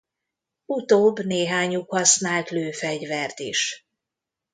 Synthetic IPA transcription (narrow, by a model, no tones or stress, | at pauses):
ut̪oːbːneːɦaːɲukhɒsnaːlt̪løːfɛɟvɛrt̪iʃ